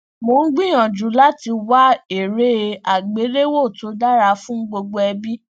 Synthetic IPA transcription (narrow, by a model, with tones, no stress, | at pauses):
mo˨˦n̩˦ɡ͡bĩ˦j̃ã˨d͡ʒu˨˦la˦ti˧wa˦e˨ɾe˦˧a˨ɡ͡be˨˦ɾe˦wo˦˨to˨˦da˦ɾa˧fũ˦ɡ͡bo˧ɡ͡bo˧˦ɛ˧bi˦